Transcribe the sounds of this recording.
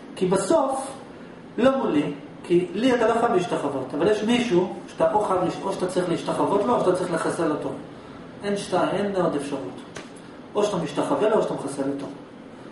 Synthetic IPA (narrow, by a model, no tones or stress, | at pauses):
kibaso̞f | lo̞muli | kʰiliat̪aloχalbiiʃtaχavo̞tavaljeʃmiʃuʃataʔoχadliʔoʃat̪at͡sʁiχleiʃtaχavo̞t̪looʃatat͡sʁiχleχaseloto | ʔenʃtajmenːeod̪efʃaʁut | ʔoʃat̪amiʃtaχavelooʃat̪amχaseloto